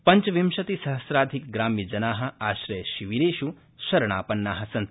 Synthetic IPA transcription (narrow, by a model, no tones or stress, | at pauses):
pɐɲt͡ʃʋimʃɐt̪isɐɦɐsɾaːd̪ʱikɡɾaːmːid͡ʒɐnaːɦɐ̆aːʃɾɐjʃiʋiɾeːʃu | ʃɐɾɐɳ̃aːpɐnːaːɦɐsɐn